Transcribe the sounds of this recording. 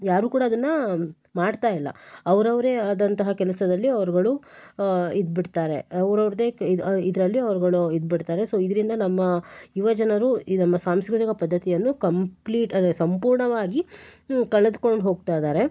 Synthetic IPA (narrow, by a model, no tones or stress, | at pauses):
jaːɾuːkuːɽaːd̪ɐnːɐ | maːɖt̪aːjilːɐ̰ɐʋɐɾɐʋɐɾead̪ɐnt̪ɐɦɐkɛlɐsɐd̪ɐlːiɐʋɐɾɡɐɭu | id̪biɽt̪aːɾe̞ɐʋɾɐʋɾd̪eːid̪ɐɾɐlːiɐʋɾɡɐɭuid̪̚biɽt̪aːɾe̞soːid̪ɐɾind̪ɐnɐmːɐjuʋɐd͡ʒɐnɐɾunɐmːɐsaːmskɾut̪ikɐpɐd̪ʱːɐt̪ijɐnːukɐmpliːʈɐd̪sɐmpuːɾɳɐʋaːɡikɐɭɐd̪uko̞ɳɖɦo̞ːɡ̚t̪ajd̪aːɾe̞